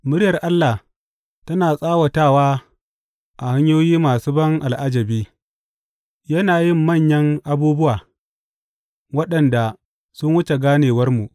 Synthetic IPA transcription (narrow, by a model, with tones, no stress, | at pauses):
mʊ˦ɽjɐ˨rʔa˦lːa˨h | tɐ˦naː˨sʼaː˦wɐ˨taː˦˨waː˦ | ʔa˨ha˦ɲjoː˦jiː˦maː˨su˦bɐ˦ŋʔa˨lʔa˦d͡ʒɐ˨biː˦ | jɐ˦naː˨jɪ˦mːɐ˦˨ɲjɐ˦ŋʔa˨buː˦bʊ˦waː˨ | wɐ˦ɗɐ˨nda˨ | sʊ˦ŋwʊ˦t͡ʃe˨ɡaː˦neː˨wɐ˦rmu˨ʔ